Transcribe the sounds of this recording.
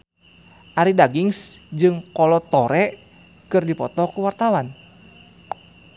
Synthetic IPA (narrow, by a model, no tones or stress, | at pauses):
ʔaɾidaɡiŋsd͡ʒɨŋkɔlɔt̪ɔɾɛ | kɨrdipɔt̪ɔkuwart̪awan